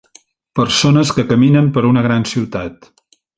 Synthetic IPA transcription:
pəɾsonəskəkəminəmpəɾunəɣ̞ɾansiwt̪at̪

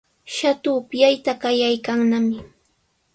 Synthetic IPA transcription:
ʃat̪ʊːpjajt̪akajajkaŋnamɪ

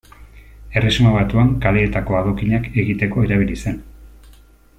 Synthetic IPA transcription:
e̞resmaβat̪uaŋkale̞ːt̪ako̞að̞o̞kiɲake̞ɣit̪e̞ko̞eɾaβ̞ilise̞n

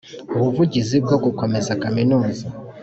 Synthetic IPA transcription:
oβuvuɟizib̚ɡo̞ɡuko̞me̞zakaminuːza

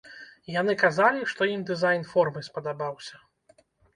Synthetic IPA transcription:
janɨkazalʲiʂt̪ɔimd̪ɨzajnfɔrmɨspɐd̪abawsʲɐ

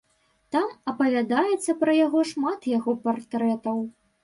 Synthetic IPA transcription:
t̪amɐpɐvʲad̪ajɛt̪sːɐpɾɐjaɣɔʂmat̪jaɣɔpart̪ɾɛt̪ɐw

